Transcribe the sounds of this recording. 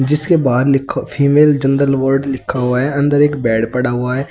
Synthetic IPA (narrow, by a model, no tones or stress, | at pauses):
d͡ʒɪskebaːd̪lɪkʰːapʰiːmeːld͡ʒə̃nɖəlʋəɾɖlɪkʰːaɦʊaɦɛɐ̃nd̪əɾeːkbɛːɽpɐɽaɦʊaɦɛː